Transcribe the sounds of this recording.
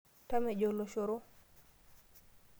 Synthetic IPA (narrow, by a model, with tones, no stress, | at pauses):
ta˦mɛ˨ɟo˨lo˨ʃo˨ɾo˦